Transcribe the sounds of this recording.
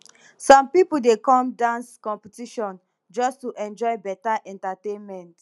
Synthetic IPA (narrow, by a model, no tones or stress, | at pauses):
sɔ̃mpipuldekɔ̃mdãnskɔ̃mpitiʃɔ̃n | d͡ʒɔstuʔɛ̃nd͡ʒɔɪbɛtaʔɛ̃ntatẽnmɛ̃nt